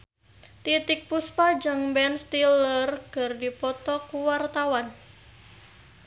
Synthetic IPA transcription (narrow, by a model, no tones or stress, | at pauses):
t̪it̪ɪk̚puspad͡ʒaŋbɛnst̪ilərkərdipɔt̪ɔkuwart̪awan